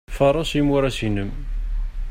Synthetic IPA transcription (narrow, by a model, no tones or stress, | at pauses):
fəɾˤɑsimuɾæsinəm